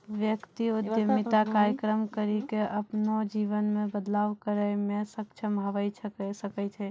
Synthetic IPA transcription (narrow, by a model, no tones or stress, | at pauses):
ʋjəkt̪iud̪jəmit̪akaɾjəkɾəmkəɾikeʔəpnod͡ʒiʋənmẽbəd̪laːʋkəɾəɪmesəkt͡ʃʰəmɦəʋəɪt͡ʃʰsəkɛt͡ʃʰɛ